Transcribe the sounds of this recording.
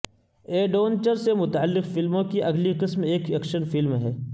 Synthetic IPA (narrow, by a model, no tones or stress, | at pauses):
eːɖoːnt͡ʃəɾsemʊt̪aːlːɪqfɪlmõkiʔɐɡliqɪsmeːkeːkʃənfɪlmɦɛː